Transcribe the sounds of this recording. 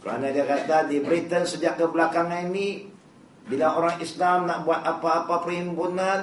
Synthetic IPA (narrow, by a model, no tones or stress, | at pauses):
kəɾa̰nadiakat̪adibɾit̪ənsəd͡ʒaʔkəblakaŋanini | bilaoɾaŋislamnaʔbuat̪̚apaːpapərhimpunan